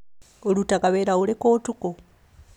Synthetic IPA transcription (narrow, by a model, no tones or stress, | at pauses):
olutakaβeɾaulekoːtuko